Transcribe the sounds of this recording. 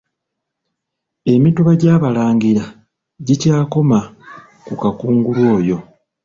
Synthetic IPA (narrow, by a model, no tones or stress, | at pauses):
e̞mituβaɟaːβalaːŋɡiɾa | ɟicaːko̞ma | kukakuːŋɡulwo̞ːjo̞